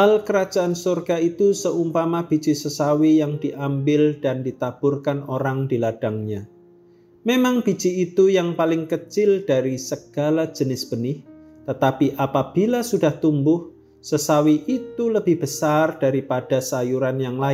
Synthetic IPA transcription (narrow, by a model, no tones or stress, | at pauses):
alkəɾḁd͡ʒ̥aansurɡ̥ait̪usəumpamab̥i̥t͡ʃisəsawijaŋd̥iʔambɪld̥andit̪ab̥ʊrkanoɾaŋd̥ilad̥aŋɲa | memaŋb̥i̤t͡ʃiːt̪ujaŋpalɪŋkət͡ʃɪld̥aɾisəɡ̥a̤lḁd͡ʒ̥ənɪsb̥ənɪh | t̪ət̪apiʔapab̥i̤lasudaht̪umbʊh | səsawiʔit̪uləbɪhb̥əsard̥aɾipad̥a̤sajuɾanjaŋla